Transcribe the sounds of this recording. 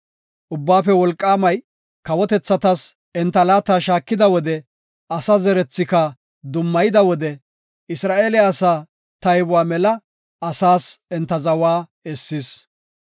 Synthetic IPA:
ʔʊbːaːfɛwɔlkʼːaːmɐj | kɐwɔt̪ɛt͡sːɐt̪ɐs | ɛnt̪ːɐlaːt̪ːaːʃaːkːɪd̪ɐwɔd̪ɛ | ʔɐsɐzɛɾɛt͡sːɪkɐ | d̪ʊmːɐjɪd̪ɐwɔd̪ɛ | ɪsɾaːʔeːlɪaːsaː | t̪ɐjbʊwaːmɛlɐ | ɐsaːsɛnt̪ːɐzɐwaː | ɛsːɪs

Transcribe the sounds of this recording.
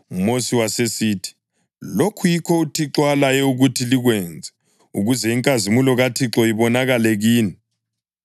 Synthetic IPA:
umosiwasesiːtʰi̥ | lokʰujikʰɔutʰiǁwalajɛuɣutʰiliɣwɛnd͡zʱɛ | uɣuzɛiŋkʼazimulɔɣatʰiǁɔiβɔnaɣalɛɣiːni

